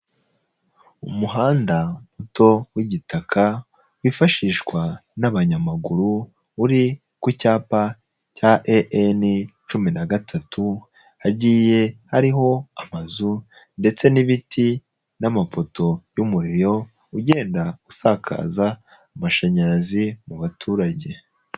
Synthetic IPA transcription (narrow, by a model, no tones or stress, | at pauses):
umuɦaːndamutʰo̞wiɟitakʰa | wifaʃiːʃkwanaβaɲamaɡuɾuː | ɾi | kucaːpa | caʔeʔenit͡ʃuminaɡatʰatʰu | aɟiːje̞haɾiɦo̞amazu | nde̞t͡se̞niβitʰi | namafo̞tʰo̞jumuɾiɾo̞ | uɟeːndaɡusakʰa̰ːza | amaʃaɲaɾazimuβatʰuːɾaɟe̞